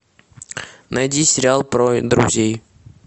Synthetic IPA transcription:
nɐjdʲisʲɪɾʲɪalˠpɾod̪ɾʊ̰zʲej

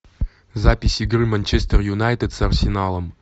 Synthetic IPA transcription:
zapʲisʲiɡrɨmanʲt͡ʃest̪ərjunajt̪ət̪sɐrsʲɪnalˠəm

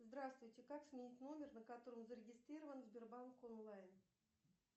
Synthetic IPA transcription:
zd̪ɾast̪vʊjtʲɪkaksmʲenʲitʲno̞mʲernəkat̪o̞ɾəmzəɾʲɪɡʲɪst̪ɾʲiɾəvənzbʲerbanko̞nlˠajn

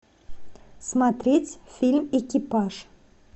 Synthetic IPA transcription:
smat̪ɾʲetʲfʲilʲmekʲipɑʂ

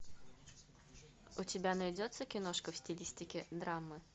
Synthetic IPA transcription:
ʊtʲɪbʲanɐjdʲot̪səkʲɪnoʂkəfsʲtʲɪlʲisʲtʲɪkʲɪd̪ɾamːɨ

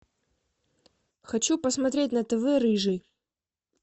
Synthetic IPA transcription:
xɐt͡ɕupəsmɐt̪ɾʲet̚ʲnət̪ɛvɛɾɨʐɨ

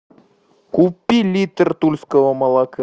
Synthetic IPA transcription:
kupʲːilʲit̪rt̪ulʲskəvəmɐlˠɑkɨ

